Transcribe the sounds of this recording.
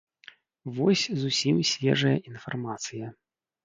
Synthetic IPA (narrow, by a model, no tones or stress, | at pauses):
vɔsʲzusʲimsʲvʲɛ̰ʐɐjɐinfarmat̪sɨjɐ